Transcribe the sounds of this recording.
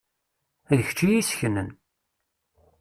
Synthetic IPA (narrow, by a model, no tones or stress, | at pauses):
æðəç̥t͡ʃːijisçənən